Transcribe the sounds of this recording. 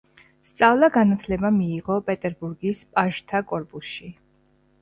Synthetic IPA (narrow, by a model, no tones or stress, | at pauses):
st̪sʼavlˠaɡanat̪ʰlɛbamiːʁɔpʼɛt̪ʼɛɾbuɾɡispʼaʒt̪ʰakʼɔɾpʼusʃi